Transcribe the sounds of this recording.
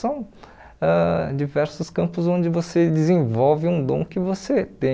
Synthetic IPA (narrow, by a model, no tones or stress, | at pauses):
sɐ̃w̃ | ɛd͡ʒivɛɾsʊskɐ̃mpʊzõnd͡ʒɪvosed͡ʒɪzẽvɔwvɪũd̪õ̰w̃kɪvoset̪ẽ